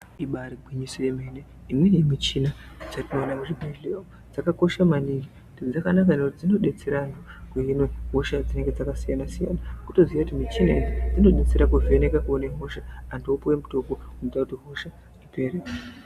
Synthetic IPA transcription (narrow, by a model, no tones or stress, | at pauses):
iɓaɾiɡʱiɲisojemene | imwe̞nemit͡ʃinad͡zatinoːnakuʐibʱaleo | d͡zakako̞ʃamaniŋɡi | ded͡zakanakaneutid͡zino̞ɗe̞t͡seɾanokuinoɦoʃad͡zine̞ŋɡe̞d͡zakasijanasija̰ːnakuto̞ziakutimit͡ʃinaizid͡zino̞ɗe̞t͡se̞ɾakuvenekakuoneɦo̞ʃaːndoupowemuto̞kounotakutiɦo̞ʃa | riperek